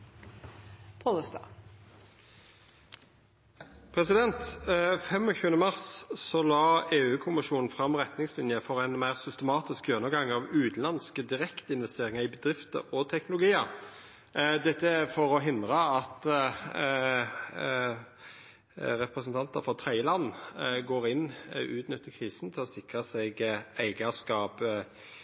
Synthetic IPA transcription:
pʰoləst̪ɑ̰ | pʰɾɛsɪd̪ɛnt̪fɛmɔçʉːənəmɑʁssɔlɑːeːʉːkʰʊmɪʃʂuːnn̩fʁɑmʁɛt̪nɪŋslɪnjəfɔɾæɪnmæɪʁsʏst̪əmɑːt̪ɪskjønəɡɑŋːɑːʋʉːd̪n̩ɑnskəd̪ɪʁɛkt̪ɪnʋɛst̪eːʁɪŋəʁibəd̪ʁɪft̪ə̰ɔt̪ʰɛknʊlʊɡiːə | d̪ɛt̪ːəfɔɾɔɦɪnd̪ʁɑɑt̪ | ɾɛpʁɛsnt̪ʰɑnt̪ɑfɔʁt̪ʰɾɛɪjəlɑnːɡoːʁɪnʉːt̪nʏt̪ʰːəkʰʁiːsn̩t̪ʰɪlɔsɪkʁəsɛɡæɪɡɑskɑːp

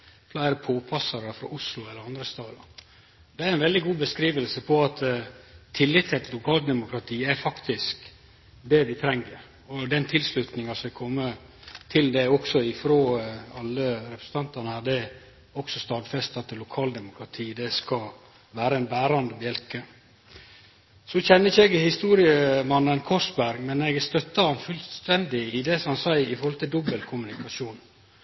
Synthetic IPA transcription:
flæɪɾəpʰoːpʰɑsɑɾəfɾɑ̰ːʔʊslʊɛlːəɾɑnd̪ɾəst̪ɑːd̪ə | d̪ɛæɾɛnʋɛld̪ɪɡuːbəskɾiːʋəlsəpʰɔɑt̪t̪ʰːɪlːɪt̪ʰːɛt̪lʊkʰɑːlt̪̚d̪ɛmʊkɾɑt̪ʰiːæɾfɑkt̪ɪsk | d̪ɛʋɪt̪ʰɾɛŋːəɾ | ɔd̪ɛnt̪ʰɪlslʉt̪nɪŋɑsɔmɛkʰɔmːə | t̪ʰɪld̪ɛɔksɔɪfɾoːɑlːəɾɛpʰɾəsn̩t̪ʰɑnt̪ɑnəhæːd̪ɛ | ɔksɔst̪ɑːd̪fɛst̪ɑt̪ːɪlːʊkʰɑːld̪ɛmʊkʰɾɑt̪ʰiːd̪ɛskɑ | ʋæːɾəɛnbæːɾɑnd̪əbjɛlkə | sɔçɛnːəɪçɛɡhɪst̪uːɾɪəmɑnːənkʰɔsbæɾɡmɛnɛɡst̪œt̪ːɑhɑnfʉlst̪ɛnd̪ɪɪd̪ɛsɔmhɑnsæɪɪfɔɾhɔlt̪ɪld̪ɔbəlkʰʊmʉnɪkɑʃuːn

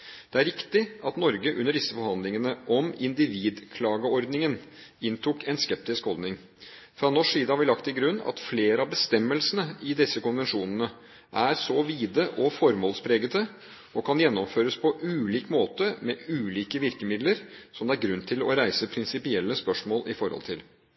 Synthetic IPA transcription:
d̪̥ɛæɾɪkt̪ɪɑt̪nɔɾɡəʔʉnːəɖɪsːəfɔɾhɑnd̪lɪŋənəʔɔmɪnd̪ɪʋiːd̪kʰlɑːɡəɔɾd̪nɪŋən | ɪnt̪ʰuːkɛnskɛp̚t̪ɪskhɔld̪nɪŋ | fɾɑnɔʂiːd̪əɑɑʋɪlɑkt̪ɪlɡɾʉnːɑ̰t̪fleːɾəɑbəst̪ɛmːəlsənəɪd̪ɪsːəkʊnʋɛnʂuːnənə | ʔæɾsɔʋiːd̪əʔɔfɔɾmoːlspʰɾeːɡət̪ə | ɔkʰɑnjɛnːɔmføːɾəspʰɔʔʉːliːkmoːt̪əmɛʔʉːliːkəʋɪɾkəmɪd̪ləɾsɔmd̪ɛæɾɡɾʉnt̪ʰɪlɔ̰ɾæɪsəpʰɾɪnsɪpɪɛlːəspœʂmoːlʔɪfɔɾhɔ̰lt̪ʰɪl

